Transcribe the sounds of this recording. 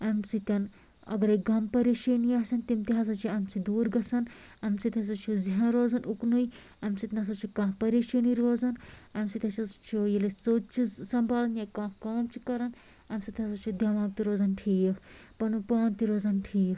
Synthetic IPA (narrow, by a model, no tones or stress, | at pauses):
ɐmsit̪ʲɐn | ɐ̰ɡɐɾeɡɐmpɐɾeːʃeniaːsɐnt̪imt̪iɦɐsɐt͡ʃʰiɐmsid̪uːɾɡɐsɐnɐmsit̪ʲɐs̬ɐt͡ʃʰuziɦãɾoːzɐnʔuknuj | ɐmsit̪nɐsɐt͡ʃʰikãːɦpɐɾeːʃeniɾoːzɐnɐmsit̪ʲɐt͡ʃʰɐt͡ʃʰujelet͡soːt͡ʃʰisɐmbʱaːlɐnjakãːkaːmt͡ʃʰi̥kɐɾɐn | ɐmsit̪ʲɐsɐt͡ʃʰid̪ʱjɐʋaːk̚t̪iɾoːzɐnʈʰiːkpɐnpaːnt̪iɾoːzɐnʈʰiːk